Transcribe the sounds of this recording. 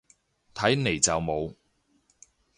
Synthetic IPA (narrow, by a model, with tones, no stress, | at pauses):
t̪ʰɐ˨˥jne˨˩jt͡sɐ˨wmo˨˧w